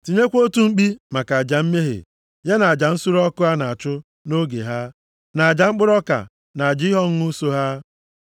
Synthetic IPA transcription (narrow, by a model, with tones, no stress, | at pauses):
ti˨ɲe˦kʷo˦tu˦ŋ͡m̩˦k͡pi˦ma˨ka˨a˨d͡ʒa˨m̩˦me˦ɦḛ˨ | ja˦na˨a˨d͡ʒa˨n̩˦su˦ɾɔ˦kʊ˦a˦na˨a˨t͡ʃʊ˦ | no˦ɡḛ˨ɦa˦ | na˨a˨d͡ʒa˨ŋ͡m̩˦k͡pʊ˦ɾɔ˦ka̰˨ | na˨a˨d͡ʒɦɔ˦ŋ̩˦u˦so˦ɦa˦